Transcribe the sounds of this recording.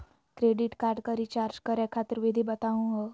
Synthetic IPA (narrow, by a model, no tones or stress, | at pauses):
kɾeɖiʈkaɾɖkəɾit͡ɕaɾd͡ʑkəɾakʰat̪əɾʋid̪ʱibət̪aʋ̃ɦə